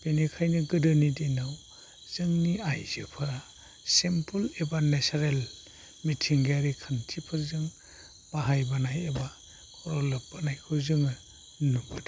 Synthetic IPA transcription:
b̥enekʰajnɯɡɯdɯnidinaw | z̥ɯŋniajz̥ɯ̰pʰɯɾa | sempʰulebanesaɾel | mitʰiŋɡeaɾikʰantʰipʰɯɾzɯŋ | b̥aɦajbanajeba | kʰɔɾɔlɯp̚b̥anajkʰɯzɯŋɯ | nubada

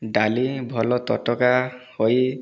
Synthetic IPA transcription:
ɖalibʱɔlɔt̪ɔtɔkahoj

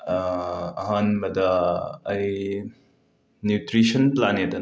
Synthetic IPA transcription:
ɐɦanmɐdɐːj | njutɾisɐnplanedɐ

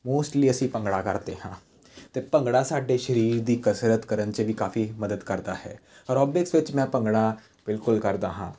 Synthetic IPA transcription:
moːsʈliːəsĩːpə̃ŋɡɽaːkəɾd̪ḛːɦãː | t̪eːpə̃ŋɡɽaːsaːɖeːʃəɾiːɾd̪iːkəsɾət̪kəɾənt͡ʃəʋikaːfiːməd̪əd̪kəɾd̪aːɦɛ̰ːɾɔːbɪksʋɪt͡ʃmɛ̃ːpə̃ŋɡɽa | b̥ɪlkʊlkəɾd̪aːɦã̰ː

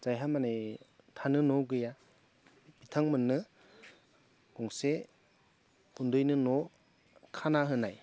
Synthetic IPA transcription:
z̥ajɦamanaj | tʰanɯnɔɡɯja | b̥itʰaŋmɯnːɯ | ɡ̥ɔŋse | hundɯjnɯnɔ | kʰanaɦɯnaj

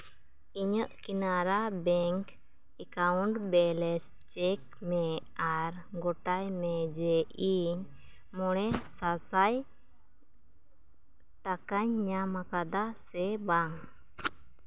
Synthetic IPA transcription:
iɲəʔkinaɾabɛŋk | ɛkawuɳʈbɛlɛs | t͡ʃɛk̚ | mɛaɾɡɔʈajmɛd͡ʒɛʔiɲ | mɔɽ̃ɛsasaj | ʈakaɲːamakad̪asɛbaŋ

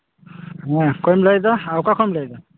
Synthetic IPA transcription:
ɛkʰɔjmlajdaawkakʰɔjmlajda

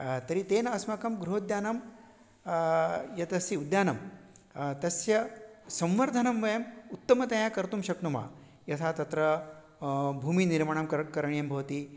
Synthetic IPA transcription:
t̪ɐɾit̪eːnɐɐsmɐkɐmɡɾuɦod̪jaːnɐm | jɐt̪ɐsiud̪jaːnɐm | t̪ɐsjɐsɐ̃mʋɐɾd̪ʱɐnɐmʋɐjɐmut̪ːɐmɐt̪ɐjakɐɾt̪umʃɐkt̪uma̰ː | jɐt̪ʰaːt̪ɐt̪ɾɐ | bʱuːminiɾmaɳamkkɐɾɐɳijɐmbʱɐʋɐt̪i

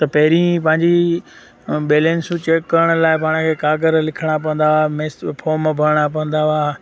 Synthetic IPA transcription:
t̪ɐpɐɦɪɾĩpɐ̃ɦɪ̃ɲd͡ʑi | ɓeːleːnsut͡ɕeːkːɐɾəɽ̃ʊ̆laːɪpaːɽ̃əkʰeːkaːɡəɾlɪkʰəɽ̃ap̬ɐ̃ə̃nd̪aaːmespʰoːmbʱɐɾɽ̃ap̬ɐ̃nd̪aaː

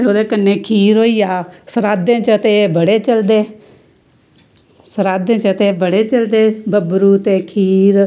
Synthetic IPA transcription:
oːd̪eːkənːẽːkʰiːɾɦoːiːaːsəɾaːd̪ẽːt͡ʃət̪eːbəɽeːt͡ʃəld̪eː | səɾaːd̪ẽːt͡ʃət̪eːbəɽeːt͡ʃəld̪eːbəbɾuːt̪eːkʰiːɾ

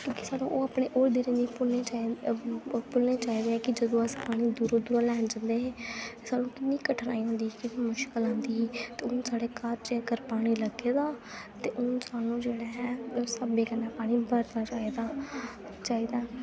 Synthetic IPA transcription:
kjõːkiːsaːnũːʔoːaːpɽeːʔoːɾd̪ɪɾẽːniːpʊeː | pʊlneːt͡ʃaːiːd̪eːɛːkɪd͡ʒəd̪õːəspaːɽ̃iːd̪uːɾoːd̪uːɾãːlɛ̃ːd͡ʒãnd̪eːɦeːt̪eːsaːnũːkɪnːĩːkəʈʰəna̰ːiːɦõnd̪iːkɪmʊʃkəlãːnd̪iːt̪eːʊnsaːɽeːkaːɾt͡ʃeːkəɾpaːɽ̃iːləɡeːd̪aːt̪eːʔʊnsaːnũːd͡ʒeːɽaːɦɛːsəbeːkənãːpaːɽ̃ĩːbəɾt̪aːt͡ʃaːiːd̪aː | t͡ʃaːiːd̪aː

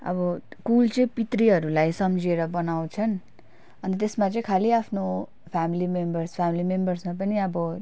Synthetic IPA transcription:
ʌ̰bʌkult͡sʌĩpit̪riɦʌɾulajsʌmd͡zieɾʌbʌnaw̃t͡sʰʌn | ʌnit̪esmat͡sʌĩkʰaliapʰno | pʰamilimembʌrspʰamilimembʌrsmap̬ʌniʌbʌ

